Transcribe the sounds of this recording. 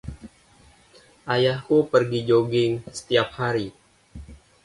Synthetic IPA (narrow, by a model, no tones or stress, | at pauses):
ʔajahupərɡid͡ʒoɡɪŋsə̥t̪iap̚haɾi